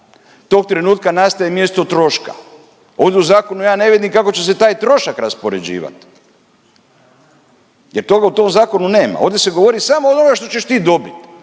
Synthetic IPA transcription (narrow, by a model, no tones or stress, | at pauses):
t̪o̞ːk̚t̪ɾe̞nuːt̪kanast̪ajemje̞st̪o̞t̪ɾo̞ʃka̰ | o̞ːʋd̪ʲeuzaːko̞nujaːne̞ʋid̪imkako̞t͡ɕe̞s̬e̞t̪aːjt̪ɾo̞ʃakɾaspo̞ɾe̞̰d͡ʑḭːʋa̰t̪ | je̞ɾt̪oɡaut̪o̞ːmzaːko̞nune̞ːma̰o̞ːʋd̪ʲese̞ɡo̞ʋo̞ɾisamoːonoaʃt̪o̞t͡ɕe̞ʃt̪iːd̪o̞bit̪